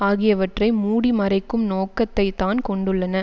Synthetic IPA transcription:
aːɣɪjɐʋɐʈrɐɪmuːɽimɐɾɐɪkːɯmnoːkːɐt̪ːɐɪt̪ːaːnkɔɳɖɯɭːɐnɐ

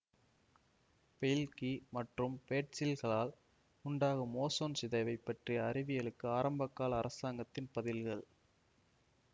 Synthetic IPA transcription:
pɛjɪlkimɐʈrɯmpeːʈ̚sɪlɣɐɭaːl | ʊɳɖaːɣɐmoːsoːnsɪðɐɪʋɐɪpːɐʈrijɐɐrɪʋɪjɐɭɯkːɯaːɾɐmbɐkːaːɭɐːɾɐsaːŋɡɐt̪ːɪnpɐðɪlɣɐɭ

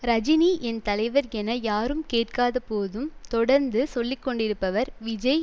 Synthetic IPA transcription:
ɾɐd͡ʒɪniʔɛnt̪ɐlɐɪʋɐɾɛnɐjaːɾɯmkeːʈ̚kaːðɐpoːðɯmt̪ɔɽɐɾnd̪ɯsɔlːɪkːɔɳɖɪɾɯpːɐʋɐɾʋɪd͡ʒɐɪ

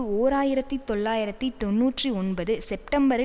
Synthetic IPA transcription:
ɯoːɾaːjɪɾɐt̪ːit̪ɔɭːaːjɪɾɐt̪ːit̪ɔnːuːʈriɔnbɐðɯsɛp̚ʈɐmbɐɾɪ

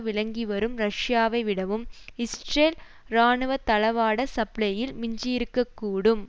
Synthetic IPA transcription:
ʋɪɻɐŋɡiʋɐɾɯmɾɐʂjaːʋɐɪʋɪɽɐʋɯmɪsʈreːl | ɾaːɳɯʋɐt̪ɐlɐʋaːɽɐsɐpɭɐjɪlmɪɲd͡ʒɪjɪɾɯkːɐkːuːɽɯm

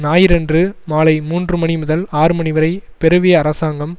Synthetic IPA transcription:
naːjɪɾɐndrɯmaːlɐɪmuːndrɯmɐɳimʊðɐlaːɾɯmɐɳɪʋɐɾɐɪpɛɾɯʋejɐɐɾɐsaːŋɡɐm

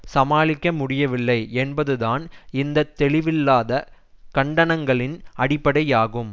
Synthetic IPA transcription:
sɐmaːlɪkːɐmʊɽɪjɐʋɪlːɐɪɛnbɐðɯðaːnɪnd̪ɐt̪ːɛɭɪʋɪlːaːðɐ | kɐɳɖɐnɐŋɡɐɭɪnɐɽɪpːɐɽɐɪaːɣɯm

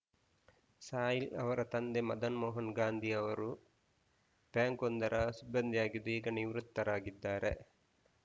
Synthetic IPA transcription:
saːjilɐʋɐɾɐt̪ɐnd̪emɐd̪ɐnmɔːɦɐnɡaːnd̪ʱiɐʋɐɾu | pjaːŋkond̪ɐɾʔɐsibːɐnd̪ʱijaːɡid̪uiːɡɐniʋɾut̪ːɐɾaːɡid̪ːaːɾḛ

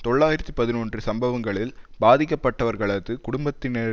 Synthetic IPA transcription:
t̪ɔɭːaːjɪɾɐt̪ːipɐðɪnoːndrɯsɐmbɐʋɐŋɡɐɭɪlbaːðɪkːɐpːɐʈːɐʋɐɾɣɐɭɐðɯkʊɽʊmbɐt̪ːɪne

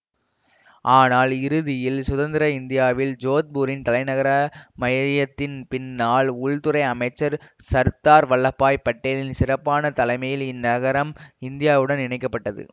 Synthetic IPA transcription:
ʔaːnaːlɪɾɯðɪjɪlsʊðɐnd̪ɪɾɐɪnd̪ɪjaːʋɪld͡ʒoːt̪̚buːɾɪnt̪ɐlɐɪnɐɣɐɾɐmɐjɐɪjɐt̪ːɪnpɪnːaːɭʊɻt̪ɯɾɐɪɐmɐɪt͡ʃːɐɾ | sɐɾt̪aːɾʋɐɭːɐpːaːjpːɐʈːeːlɪnsɪrɐpːaːnɐt̪ɐlɐɪmɐjɪlɪnːɐɣɐɾɐmɪnd̪ɪjaːʋɯɽɐnɪɳɐɪkːɐpːɐʈːɐðɯ̰

